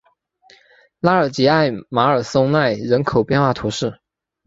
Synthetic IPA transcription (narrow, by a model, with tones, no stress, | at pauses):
la˥ə˞˨˩t͡ɕi˧˥a˥˩ɪma˧˥ə˞˨˩so˥ŋna˥˩ɪɻə˧˥nkʰo˨˩ʊpjɛ˥˧nxwa˥˩t̪ʰu˧˥ʂɻ̩˥˩